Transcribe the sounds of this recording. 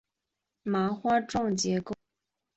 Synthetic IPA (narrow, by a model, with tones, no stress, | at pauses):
ma˧˥xwa˥ʈ͡ʂwɑ˥˩ŋt͡ɕjɛ˧˥ko˥˩ʊ